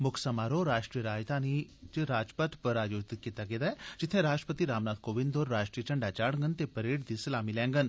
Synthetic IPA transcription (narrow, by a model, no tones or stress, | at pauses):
mʊkʰsəmaːɾoːɾaːʃʈɾiːəɾaːjt̪aːniːt͡ʃɪɾaːd͡ʒpət̪pəɾaːjod̪kiːt̪aɡeːd̪aːɛːd͡ʒɪt̪ʰːẽːɾaːsʈəpət̪iːɾaːmnaːd̪̚koːʋɪ̃nd̪oːɾɾaːʈɾiːət͡ʃəɳɖaːt͡ʃaːɽŋɡənt̪eːpəɾeːʈd̪iːsɐlaːmiːlɛ̃ːŋɡən